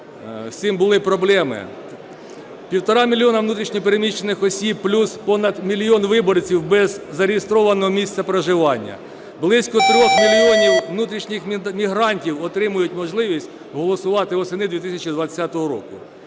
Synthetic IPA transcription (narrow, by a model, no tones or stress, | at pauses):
wsʲimbʊlˠɪpɾɔblˠɛmɪ̰ | pʲiwt̪ɔɾɑmʲilʲːiɔnɐʋnut̪ɾʲiʃnʲip̬eɾemʲiʃt͡ʃːenɪxɔsʲib̚plʲuspɔnɐd̪mʲilʲjɔnʋɪbɔrt͡sʲiwbɛzːɐɾʲɪjest̪ɾɔʋɐnɔɦɔmʲisʲt̪sɐpɾeʒɪʋɑnʲːɐ̰ | blˠɪsʲkɔt̪ɾʲɔxmʲilʲːiɔnʲiwnut̪ɾʲiʃnʲixmʲiɦɾɑnʲtʲiwɔt̪ɾɪmʊjʊtʲmɔʒlˠɪʋʲisʲtʲ | ɦɔlˠɔsʊʋɑt̪ɪɔsenɪd̪ʲʋʲit̪ɪsʲɐt͡ʃid̪ʋɐt͡sʲːat̪ɔɦɔɾɔ̰kʊ̰